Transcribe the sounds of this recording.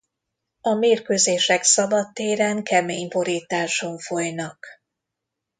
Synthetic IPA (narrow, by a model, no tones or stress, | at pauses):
ɒmeːrkøːzeːʃɛksɒbɒt̪ːeːɾɛŋkɛmeːɲbo̞ɾiːt̪aːʃo̞ɱfo̞jnɒk